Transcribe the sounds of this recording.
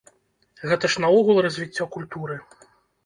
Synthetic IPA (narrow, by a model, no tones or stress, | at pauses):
ɣɛt̪ɐʂnɐɔɣulˠrɐzʲvʲit͡sʲːɔkulʲt̪uɾɨ